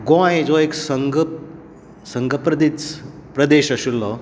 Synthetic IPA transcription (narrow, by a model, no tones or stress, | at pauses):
ɡõẽd͡zoeksəŋɡ | səŋɡəpɾəd̪it͡spɾəd̪eɕaɕulːɔ